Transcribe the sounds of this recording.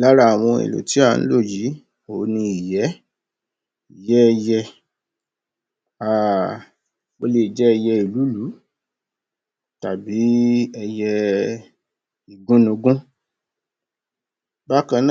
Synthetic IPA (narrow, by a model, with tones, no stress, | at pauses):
la˦ɾa˦a˨w̃ɔ̃˧ḛ˨lo̰˨ti˨˦a˦˨˧n̩̰˦lo˦˨ji˨˦ | o˨˦nĩ˧i˨jɛ˨˦ | i˨jɛ˦ɛ˧jɛ˧ | a˦˨ | o˦le˧˨d͡ʒɛ˦ɛ˧jɛ˧i˨lu˨˦lu˨˦ | ta˨bi˨˦ɛ˧jɛ˧ | i˨ɡũ˦nũ˧ɡũ˦ | ba˦kã˧nã˦˨